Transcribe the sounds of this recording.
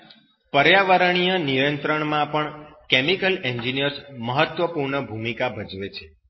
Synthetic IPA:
pəɾjaʋəɾəɳ̃ijənijənt̪ɾəɳmãpəɳkemikəleɲd͡ʒinijəɾsməɦət̪ʋəpuɾɳəbʱumikabʱəd͡ʒʋet͡ʃʰe

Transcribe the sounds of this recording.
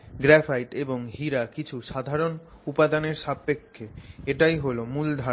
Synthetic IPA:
ɡɾɛfʰajʈeboŋɦiɾakit͡ɕʰuʃad̪ʱaɾon | upad̪aneɾʃabːekʰːeeʈajɦolomuld̪ʱa

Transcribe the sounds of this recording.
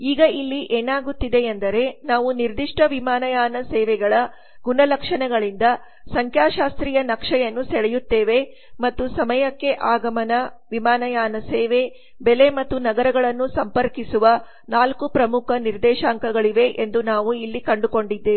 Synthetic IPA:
iːɡɐilːiʔeːnaːɡut̪ːid̪e̞end̪ɐɾe̞naːʋuniɾd̪iʂʈɐʋimaːnɐjaːnɐsɛːʋɛɡɐɭɐ | ɡunɐlɐkʂɐɳɛɡɐɭind̪ɐ | sɐŋkjaːʃaːst̪ɾijɐnɐkʂɐjɐnːusɛɽɛjut̪ːeːʋe̞ | mɐt̪ːusɐmɐjɐkːe̞ʔaːɡɐmɐnɐʋimaːnɐjaːnɐsɛːʋe̞ | bɛle̞mɐt̪ːunɐɡɐɾɐɡɐɭɐnːusɐmpɐɾkisuʋɐ | naːlkupɾɐmukʰɐniɾd̪ɛːʃaːŋkɐɡɐɭiʋe̞ʔend̪unaːʋuilːikɐɳɖuko̞ɳɖid̪ːeː

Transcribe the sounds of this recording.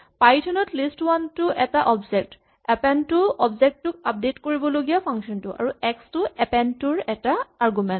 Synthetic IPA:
pajtʰɔnɔtlistwantʊʔɛtaʔɔbzɛk̚t | ɛpɛntʊɔbzɛk̚tːʊk̚ap̚detkoɹibɔloɡijapʰaŋksɔntʊʔa̰ɹuɛkstʊɛpɛntʊɹɛtaaɹɡumɛnt

